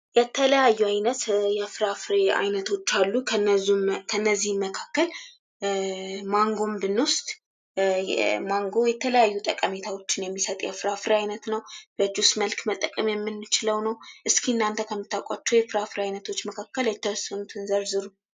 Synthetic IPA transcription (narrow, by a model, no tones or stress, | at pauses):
jɛt̪ʰːələjajːuajnət̪jɛfɨɾafɾea̰jnət̪ʰo̞t͡ʃːalːukʰnːəzukʰənːəzːihmːəkʰakːəl | maŋɡo̞mbɨnːwust̪ʼ | maŋɡo̞jɛt̪ʰələjajːut̪ʼəkʼəme̞t̪ʰawo̞t͡ʃːɪnjɛmːisət̪ʼjɛ̰fɾafɾeajnət̪nəwb̥əd͡ʒusməlkmət̪ʼːəkʼəmjɛmːɨnːɨt͡ʃɪləwnəwʔɨskʰiɨnːant̪ʰəkʰəmːɨt̪ʰːakʷʼat͡ʃːujɛfɨɾafɾeajnət̪ʰo̞t͡ʃːməkʰakːəljɛt̪ʰːəwɔsːənut̪ʰɨnzəɾzɨɾu